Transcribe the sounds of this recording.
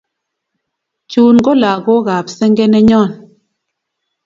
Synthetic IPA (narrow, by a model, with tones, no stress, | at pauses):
t͡ʃuː˨n˦ɡɔ˦la˨ɣo˦ɣa˨psɛ˦ŋɡɛ˦nɛ˦ɲɔ˦˨n